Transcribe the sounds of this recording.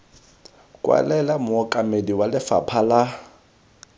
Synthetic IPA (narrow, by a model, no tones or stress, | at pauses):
kʼwa̰lɛlamʊɔkʼamediwalɪfa̰pʰala